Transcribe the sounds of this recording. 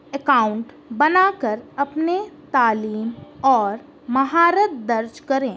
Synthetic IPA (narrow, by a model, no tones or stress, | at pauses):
ekaːʊ̃ɳʈ | bɐnaːkəɾɐpnet̪aːliːmɔːɾ | mɐɦaːɾət̪̚d̪ɐɾd͡ʒkɐɾẽː